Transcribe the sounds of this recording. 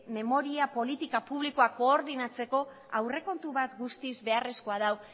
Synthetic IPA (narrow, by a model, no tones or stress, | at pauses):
me̞mo̞ɾiapo̞lit̪ikapuβliko̞ako̞ːɾðinat͡se̞ko̞ | awre̞ko̞nt̪uβat̪ɡust̪izβe̞are̞sko̞aðaw